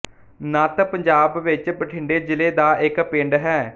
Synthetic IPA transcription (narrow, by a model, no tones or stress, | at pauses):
naːt̪əpəɲd͡ʒaːbʋɪt͡ʃbəʈʰɪɳɖeːd͡ʒɪleːd̪aːʔɪkpɪ̃ɳɖɦɛː